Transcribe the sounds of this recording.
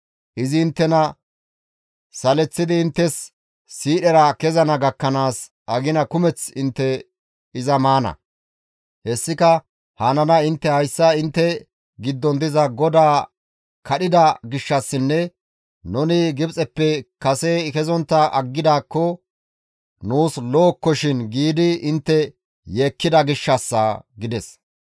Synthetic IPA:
ʔɪzɪːnt̪ːɛnɐ | sɐlɛt͡sːɪd̪ɪːnt̪ːɛsː | iːɗɛɾɐkɛzɐnɐɡɐkːɐnaːs | ʔɐɡɪnɐkʊmɛt͡sɪnt̪ːɛ | ɪzɐmaːnɐ̰ | hɛsːɪkɐ | haːnɐnɐɪnt̪ːɛhɐjsːɐɪnt̪ːɛ | ɡɪd̪ːɔnd̪ɪzɐɡɔd̪aː | kɐɗɪd̪ɐɡɪʃːɐsːɪnːɛ | nɔnɪɡɪbt͡sʼɛpːɛkɐsɛkɛzɔnt̪ːɐʔɐɡːɪd̪aːkːɔ | nuːsloːkːɔʃɪnɡiːd̪ɪɪnt̪ːɛ | je̞ːkːɪd̪ɐɡɪʃːɐsːɐɡɪd̪ɛs

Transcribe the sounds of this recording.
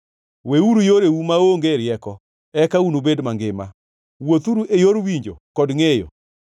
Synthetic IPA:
weuɾujoɾeumaoŋɡeɾjɛkɔ | ɛkaunobedmaŋɡɪma̰ | wot̪uɾuʔejoɾwiɲd͡ʒo̰kɔdŋejɔ̰

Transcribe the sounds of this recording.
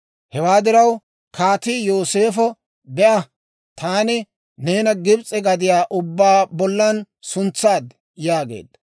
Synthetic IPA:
hɛwaːd̪ɪɾɐw | kaːt̪ijo̞ːse̞ːfɔ | bɛʔɐ | t̪aːnɪ | ne̞ːnɐɡɪbt͡sʼɛɡɐd̪ɪjaːʔʊbːaːbɔlːɐn | sʊnt͡sːaːd̪ | jaːɡḛːd̪ːɐ

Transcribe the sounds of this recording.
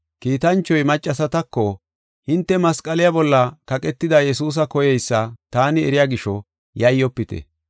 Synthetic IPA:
kiːt̪ɐnt͡ʃːɔjmɐt͡ʃʼːɐsɐt̪ɐkːɔ | hɪnt̪ːɛmɐskʼɐlɪjabɔlːɐkɐkʼɛt̪ːɪd̪ɐjɛsuːs̬ɐkɔjɛjsːɐt̪aːnɪɛɾɪjaɡɪʃɔ | jɐjːɔpːɪt̪ɛ̰

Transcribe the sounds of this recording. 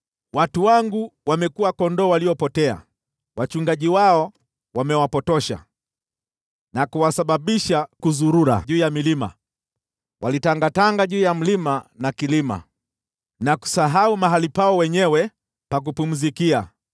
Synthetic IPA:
watuwaŋɡuwamɛkuakɔndɔwaliɔpɔtɛa̰ | wat͡ʃuŋɡaʄiwaɔ | wamɛwapɔtɔʃa̰ | nakuwasaɓaɓiʃakuzuɾuɾa̰ʄuːjamilima̰ | wʔa̰litaŋɡataŋɡaʄuːjam̩limanakilima̰ | naku̥saɦaumaɦalipaɔwɛɲɛwɛ | pak̬upum̩zikia

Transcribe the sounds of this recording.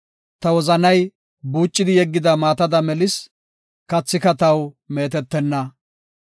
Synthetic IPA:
t̪ɐwɔzɐnɐj | buːt͡ʃʼːɪd̪ɪjɛɡːɪd̪ɐmaːt̪ɐd̪ɐmɛlɪs | kɐt͡sːɪkɐt̪ɐw | me̞ːt̪ɛt̪ːɛnːɐ

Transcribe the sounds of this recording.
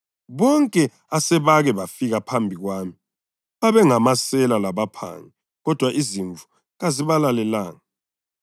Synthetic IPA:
βɔŋkʼɛ | asɛβaɣɛβafiɣapʰambʱiɣwaːmi | βaβɛŋamasɛlalaβapʰa̰ŋi | ɣɔd̥ʱwaʔiziɱvʱu | ɣaziβalalɛlaːŋa

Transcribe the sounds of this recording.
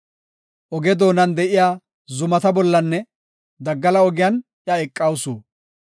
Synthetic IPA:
ʔɔɡɛd̪o̞ːnɐnd̪ɛʔɪjaː | zʊmɐt̪ɐbɔlːɐnːɛ | d̪ɐɡːɐlɐɔɡɪjɐn | ʔjɐɛkʼːɐwsuː

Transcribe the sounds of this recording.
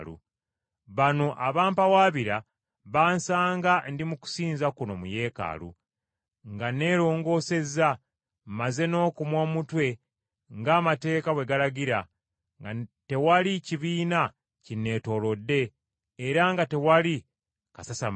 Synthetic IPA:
lṵ | βano̞ʔaβaːmpawaːβiɾa | βaːnsaːŋɡandimuku̥siːnzakuno̞muje̞ːka̰lṵ | ŋɡane̞ːɾo̞ːŋɡo̞ːse̞za | mmaze̞no̞ːkumwo̞ːmutwe̞ | ŋɡaːmate̞ːkawe̞ɡalaɡiɾa | te̞waliciβiːna | cine̞ːto̞lo̞dːe̞ː | ɾaŋɡate̞wali | kasasa

